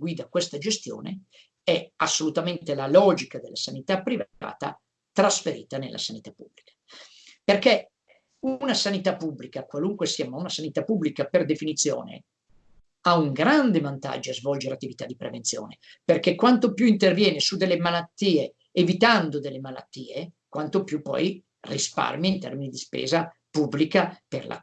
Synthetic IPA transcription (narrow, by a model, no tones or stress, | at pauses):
ɡwiːd̪akwest̪ad͡ʒest̪jo̰ːnḛ | ɛasːolut̪ament̪elalɔːd͡ʒikad̪elːasanit̪apːɾiva̰ːt̪a̰ | t̪ɾasfeɾḭːt̪anelʔa̰sanit̪apːublikḁ | perke | unasanit̪apːubːlikakwaluŋkwesiamaunasanit̪apːubːlikaperd̪efinit̪sjo̰ːnḛ | auŋɡɾand̪evant̪a̰d͡ʒːoazvɔld͡ʒeɾat̪ːivit̪ad̪ːipɾḛvent̪sjo̰ːne | perkekwant̪opjuint̪ervjɛːnesud̪elːemalat̪ːiːeː | vit̪and̪od̪elːemala̰t̪ːiːekwant̪opjupːɔ̰j | rispa̰rmjiint̪ɛ̰rminid̪ispɛ̰ːza | pubːlikaperla̰